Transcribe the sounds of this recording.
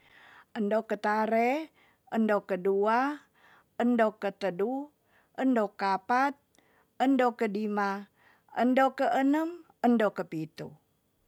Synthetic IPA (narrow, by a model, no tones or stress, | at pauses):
əndokət̪aɾe | əndokədua | əndokət̪ədu | ʔəndokapat̪̚ | əndokədima | əndokəʔənəm | əndokəpit̪ṵ